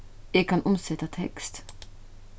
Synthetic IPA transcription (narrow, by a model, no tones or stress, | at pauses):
jɛɡkʰanʔɔmsɛt̪ːat̪ʰɛ̰kst̪